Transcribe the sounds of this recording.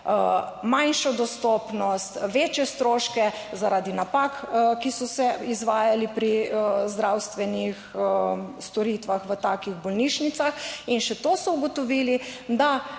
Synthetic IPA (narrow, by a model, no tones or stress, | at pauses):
manʃɔd̪ɔst̪ɔːpnɔst̪ʋeːt͡ʃjɛst̪ɾoːʃkɛ | zaɾʔaːd̪inapakkisɔsɛizʋaːjalipɾizd̪ɾawst̪ʋɛnix | st̪ɔɾit̪ʋaxʋət̪aːkiɣbɔlniʃnit̪saxinʃɛt̪osɔuɡɔt̪ɔʋilid̪a